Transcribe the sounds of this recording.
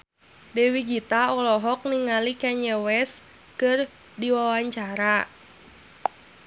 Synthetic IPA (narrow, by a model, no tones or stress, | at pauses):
dɛwiɡit̪aɔlɔɦɔk̚niŋalikɛɲəwɛs | kɨr | diwawaɲt͡ʃaɾa